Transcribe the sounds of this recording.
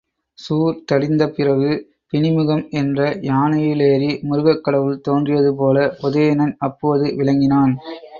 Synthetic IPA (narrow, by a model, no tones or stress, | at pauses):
suːɾt̪ɐɽɪnd̪ɐpɪrɐʋɯ | pɪnɪmɯɣɐmɛndrɐjaːnɐjɪleːɾimʊɾɯɣɐkːɐɽɐʋɯlt̪oːndrɪjɐðɯpoːlɐpʊðejɐnɐnɐpːoːðɯʋɪlɐŋɡɪnaːn